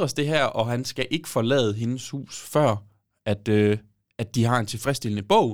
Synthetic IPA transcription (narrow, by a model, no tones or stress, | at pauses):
ɐsd̥e̝ɦæɐ̰ʔɒ̽ɦænsɡ̥æʔe̝ɡ̥ə̥fɒ̽lɛ̰ːð̩ˠɦe̝nəshṵːsfɶɐ̰ | æd̥ø | æd̥d̥iɦɑ̈e̝nt͡sʰe̝lfʁɛsd̥e̝lnəb̥ɔʊ̰